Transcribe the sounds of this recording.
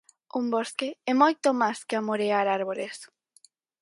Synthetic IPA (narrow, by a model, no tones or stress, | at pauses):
umboskeɛmojt̪omaskeamoɾeaɾaɾβoles